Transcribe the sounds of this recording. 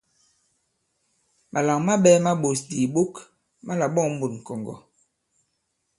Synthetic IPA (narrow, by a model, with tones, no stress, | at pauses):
mʔa˨la˨ŋma˦ɓɛ˦ma˦ɓo˨sdi˨ɓo˦k | ma˦la˨ɓɔ˦˨ŋm̩˦bu˨tŋ̩˨kɔ˨ŋɡɔ̰˨